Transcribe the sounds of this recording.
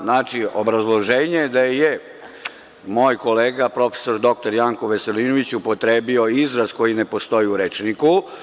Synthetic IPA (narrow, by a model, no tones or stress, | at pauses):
naːt͡ʃiobɾazlˠo̞ʒeːɲed̪aje | mo̞ːjko̞le̞ːɡapɾo̞fe̥so̞ɾd̪o̞k̚t̪o̞ɾjaːŋkoʋe̞se̞linoʋit͡ɕupo̞t̪ɾe̞ːbio̞izɾazko̞jine̞po̞st̪o̞jiuɾet͡ʃniku